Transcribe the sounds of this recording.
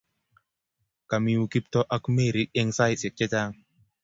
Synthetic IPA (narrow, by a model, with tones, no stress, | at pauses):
ka˨mi˨wu˨ki˦p̚tɔ˦ʔa˦kme˦˨ɾi˦e˦ŋsa˦jse˨t͡ʃe˦ta˦ŋ